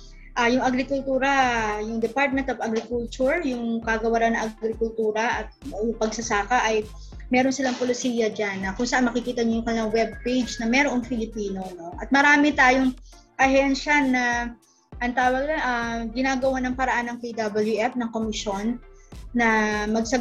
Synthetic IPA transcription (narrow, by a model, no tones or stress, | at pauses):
ʔajʊŋʔɐɡɾɪkʊlt̪uːɾɐjʊŋd̪ɛpaɹt̪̚mɛnt̪ovɐɡɾɪkult͡ʃʊɹjʊŋkaɡɐwɐɾanɐŋʔɐɡɾɪkʊlt̪uːɾɐʔɐt̪̚jʊŋpɐɡsɐsaːkɐʔɐj | mɛːɾo̞nsɪlaŋpolɪsiːjɐd͡ʒanːɐkʊŋsɐʔanmɐkɪkiːt̪ɐɲojʊŋkɐnɪlɐŋwɛb̚pejd͡ʒnɐmɛːɾoʔɐŋfɪlɪpiːno̞no̞ʔɐt̪̚mɐɾaːmɪt̪aːjoŋʔɐhɛnʃanɐ | ʔɐnt̪aːwɐɡ̚laʔaɡɪnaːɡɐwanɐŋpɐɾɐʔanːɐŋpid̪abɐljuʔɛfnɐŋko̞mɪʃo̞nːɐmɐɡ̚sɐ